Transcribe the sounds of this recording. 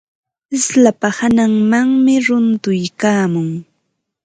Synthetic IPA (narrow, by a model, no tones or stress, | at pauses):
ɪslapahanaŋmaŋmɪɾʊnt̪ʊjkaːmʊŋ